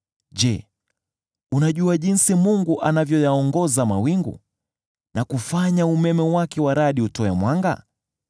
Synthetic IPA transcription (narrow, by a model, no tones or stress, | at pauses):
ʄɛ | unaʄuaʄinsimuŋɡuʔanavjɔjaɔŋɡɔzamawiŋɡṵ | nakufaɲaumɛmɛwakɛwaɾaɗiutɔɛmwaŋɡa̰